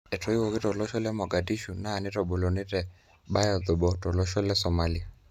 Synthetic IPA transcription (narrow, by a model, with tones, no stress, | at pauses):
ɛ˨tʰɔ˨i˦wɔ˨kɪ˦tɔ˨lɔ˦ʃɔ˦lɛ˦mɔ˨ɡa˨di˦ʃu˨naː˦˨nɪ˦tɔ˨ɓo˨lɔ˨nɪ˦tɛ˨ | ɓa˦ja˨ðʊ˨ɓɔ˨tɔ˨lɔ˦ʃɔ˦lɛ˦sɔ˨ma˨li˦a˨